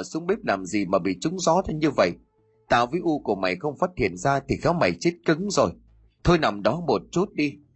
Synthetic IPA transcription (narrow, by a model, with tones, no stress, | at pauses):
jsu˨˦əŋ͡mɓi˦˥p̚laː˨˩mzi˨˩maː˨˩ɓḭ˧˨t͡ɕʊ˨˦ŋ͡mzɔ˨˦zaː˧ɲɨ˧və̰˧˨j | t̪a̰ː˧˨wvəː˨˦jʔu˧ku˧˩əma˨˩jxə˧wŋ͡mfaː˦˥t̚hḭ˧˨ənzaː˧t̪ʰi˨˩xaː˨˦wma˨˩jt͡ɕi˦˥t̚kɨ˨˦ŋzo˨˩j | t̪ʰo˧jna˨˩mɗɔ˨˦mo˨˩t̚t͡ɕu˦˥t̚ɗi˧